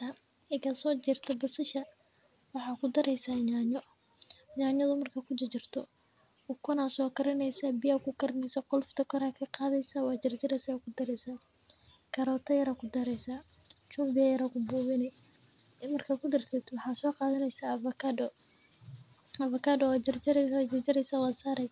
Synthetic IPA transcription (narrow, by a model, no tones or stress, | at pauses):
a | ɪkɐsɔːt͡ʃɪrt̪ʰɐbɐsɪʃɐ | wɑħɑːkʰʊd̪ɐɾɛjsaːɲaːɲɔ | ɲaːɲɐðʊmɐrkʰɐkʰʊd̪ɪt͡ʃɪrt̪ʰɔ | ʊkʰɔnaːsɔːkʰɐɾɐnɛjsabɪjakʊkʰɐɾɐnɛjsɐqɔlft̪ʰɐkʰɔɾaːkʰɐqɑːðɛjsaːwɑːt͡ʃɪrt͡ʃɪɾɐsɛakʰʊd̪ɐɾɛjsaː | kʰɐɾɔːt̪ʰɐjɐɾakʰʊd̪ɐɾɛjsaː | t͡ʃumbɪjɐjɐɾɐkʰʊbuːɣɪnɛ | mɐrkʰɐkʰʊd̪ɪrt̪ʰɛt̪ʰwɑħɑːsɔːqɑːðɐnɛjsaːfɐkɐɔ | ɐfɐkadɔwaːt͡ʃɐrd͡ʒɾt͡ʃɪrt͡ʃɐɾɛjsaːwɑːsaːɾɛjsa